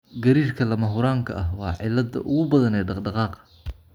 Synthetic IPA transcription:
ɡɐɾiːrkʰɐlɐmɐɦʊɾaːŋkʰɐ̰ʔɐɦwɑ̰ːʕɪlɐd̪ɐ̰ʔʊɣʊbɐðɐnɛːɖɑqɖɑqɑːqɐ

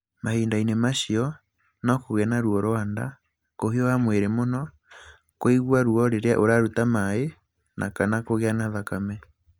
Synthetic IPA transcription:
mahiːndainemaʃiɔ | nɔkoɣɛnaɾwɔɾoanda̰ | kohiɔwamweɾemonɔ | koiɣwaɾuɔɾeɾea̰ʔoɾaɾutamae | nʔa̰kanakoɣeanaðakamɛ

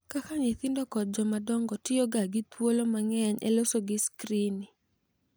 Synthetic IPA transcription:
kakaɲet̪ɪndɔkɔt̚d͡ʒɔmadɔŋɡɔtɪjoɡaɡɪt̪wolomaŋɛɲɛ̰losoɡɪskɾini

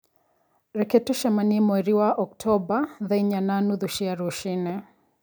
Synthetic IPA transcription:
ɾɛkɛtɔʃamanimwɛɾiwaʔɔk̚tʰɔbaðaiɲananuðuʃiaɾuʃinɛ

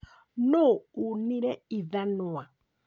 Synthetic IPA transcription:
nounĩɾɛiðanʊa

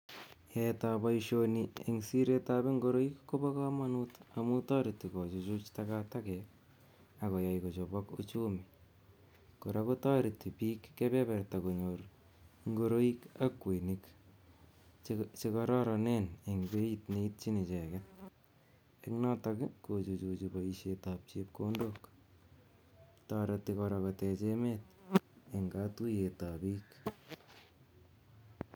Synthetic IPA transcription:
jɛtabaiʃoniḛŋsiɾetabeŋɡoɾoikːobɔkamanutamutɑɾitːikɔt͡ʃut͡ʃut͡ʃtakatakɛk | akɔjaikot͡ʃobɔkut͡ʃumi | koɾakotaɾitipiːkːepɛβɛrtakoɲoɾ | ŋɡoɾoikakwenik | t͡ʃekaɾaɾaneneŋbeit̪neit̚t͡ʃinit͡ʃekɛt̚ | eknatakɪkot͡ʃut͡ʃut͡ʃubaiʃetap̚t͡ʃep̚kondok | taɾat̪ːikoɾakotet͡ʃemet̪̚ | eŋɡatujetapiːk

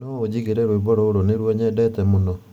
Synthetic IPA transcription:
nɔod͡ʑiɣeɾɛɾwebɔɾoːɾoneɾwɔɲɛdɛtɛmonɔ

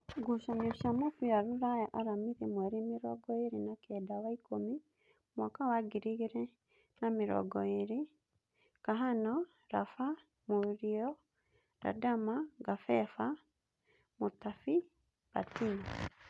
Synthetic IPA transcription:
ɡoʃamiɔʃamokuaɾuɾajaʔaɾamiðemwɛɾemeɾɔɡɔeɾenakɛːdawaikomi | mwɔkawaɡiɾiɣeɾɛ | nameɾɔ̰ɡɔeɾe | kaɦanɔ | ɾafa | moɾiɔ | ɾa̰damaɡafɛfa | motafi | β̥atin

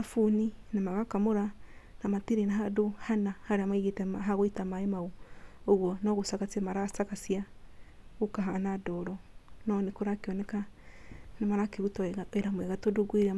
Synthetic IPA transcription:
afuninamaɣakamoɾanamatiɾenaɦadohanahaɾeamaiɣetɛmaaɣoitamaemaooɣwɔnɔɣosakat͡siamaɾasakasia | ɣokaɦanadɔɾɔnɔnekoɾakeɔnɛka | namaɾakeɣutɔeɾamwɛɣatodoɡweɾa

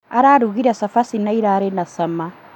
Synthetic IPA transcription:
aɾaːɾuɣiɾasafasinaiɾaɾenasama

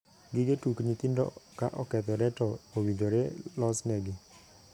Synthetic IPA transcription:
ɡɪɡetukɲit̪indɔ̰kaʔɔkɛt̪ɔɾɛtɔowid͡ʒoɾɛlɔsnɛɡɪ

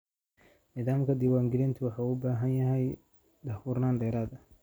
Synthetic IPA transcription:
niːðaːmkʰɐd̪ɪwaːŋɡɪlɛnt̪ʰɪwɑħɑuʊbaːɦɐnjɐɦɛj | d̪ɐhuːrnaːnɖɛːɾaːd̪ɐ

